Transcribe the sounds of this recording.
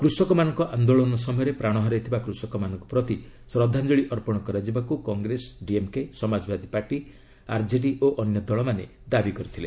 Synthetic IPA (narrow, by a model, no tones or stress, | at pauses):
kɾusɔkɔmanɔŋkɔʔand̪oɭɔnɔs̬ɔmɔjɔɾepɾaɽ̃ɔɦɔɾajt̪ʰibakɾusɔkɔmanɔ̃ŋku̥pɾɔt̪i | sɾɔd̪ʱːand͡ʒɔɭiʔɔɾpɔɽ̃ɔkɔɾad͡ʒibakukɔŋɡɾesɖiemkesɔmad͡ʒɔbad̪ʱipaɾʈi | aɾd͡ʒeɖiʔoʔɔnjɔd̪ɔɭɔmane | d̪abikɔɾit̪ʰile